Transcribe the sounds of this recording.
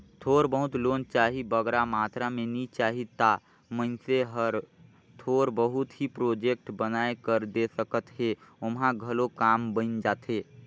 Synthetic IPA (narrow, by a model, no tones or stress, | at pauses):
t̪ʰoːɾbəɦʊt̪loːnt͡ʃaːɦibəɡɾamaːt̪ɾamẽnit͡ʃaːɦit̪a | mənseɦəɾ | t̪ʰoːɾbəɦʊt̪ɦipɾoːd͡ʒek̚ʈbənaːekəɾd̪esəkət̪ɦeʊmɦãɡʱəlokaːmbə̃nd͡ʒaːt̪ɦeː